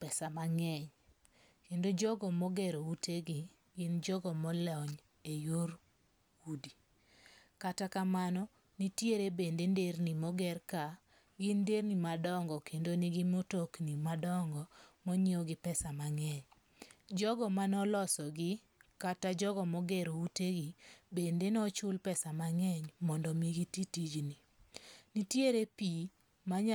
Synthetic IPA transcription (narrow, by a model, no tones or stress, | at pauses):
pɛsamaŋɛɲ | kendod͡ʒɔɡɔmɔɡɛɾoutʰeɡɪ | ɡɪnd͡ʒɔɡɔmɔlɔɲ | ejoɾ | udi | katakamanɔ | nitjeɾebendendernimɔɡɛrka | ɡɪndernimadɔŋɡɔkendoniɡɪmotoknimadɔŋɡɔmɔɲiɔɡɪpɛsamaŋɛɲ | d͡ʒɔɡɔmanɔlɔsɔɡɪ | katad͡ʒɔɡɔmɔɡɛɾouteɡibendenɔt͡ʃʊlpɛsamaŋɛɲmɔndɔmiɡititid͡ʒni | nitjeɾepi | maɲa